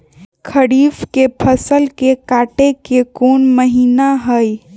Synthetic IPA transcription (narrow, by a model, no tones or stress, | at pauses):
kʰəɽiːfkepʰəsəlkekaːʈekekoːnməɦiːnaɦəj